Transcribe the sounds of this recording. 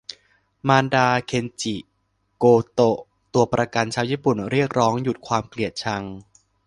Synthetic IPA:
maː˧ndaː˧kʰe˧nt͡ɕi˨˩ | koː˧t̪o˧˩ | t̪u˧ɐpɾa˧ka˧nt͡ɕʰaː˧˥wjiː˥˩pu˨˩nɾi˥˩ək̚ɾɔː˦˥ŋju˨˩t̪̚kʰwaː˧mkli˨˩ət̪̚t͡ɕʰa˧ŋ

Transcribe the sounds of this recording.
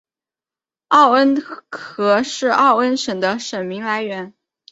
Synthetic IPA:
ɑ˥˩ʊə˥nkʰɤ˧˥ʂɻ̩˥˧ʔɑ˥˩ʊə˥nʂə˨˩ŋd̪ə˦ʂə˨˩nmi˧˥ŋla˧˥ɪɥɛ˧˥n

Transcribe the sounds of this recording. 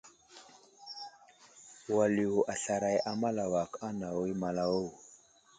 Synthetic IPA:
wa˨li˨u˨ʔa˨ɬa˨ɾa˨jʔa˨ma˦la˨wa˨kʰa˦na˨wo˦jma˨la˨wo˦w

